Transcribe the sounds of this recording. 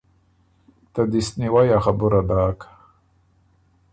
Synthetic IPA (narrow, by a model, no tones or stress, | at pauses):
t̪ad̪isniwajaxabuɾad̪aːkḁ